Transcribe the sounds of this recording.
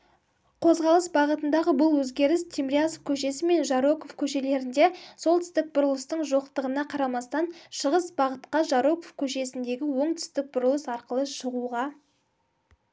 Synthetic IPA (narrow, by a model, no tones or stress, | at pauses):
qʰo̞zʁɑlˠəsbɑʁət̪ənd̪ɑʁəbʊlˠwɵzɡʲe̞ɾɪst̪ʰemɾʲiaskʲʰɵʃe̞sɪme̞nʒɑɾokofkʲʰɵʃe̞le̞ɾɪnd̪e̞so̞lˠt̪ʰʏ̥st̪ɪk̚bʊɾʊlˠəst̪əɴʒoqt̪əʁənɑqʰɑɾɑmɑst̪ɑnʃəʁəsbɑʁət̪qɑʒɑɾokofkʲʰɵʃe̞sɪnd̪e̞ɡʲɪwo̞ɴt̪ʰʏ̥st̪ɪk̚bʊɾʊlˠəsɑɾqəlˠəʃəʁuʁɑ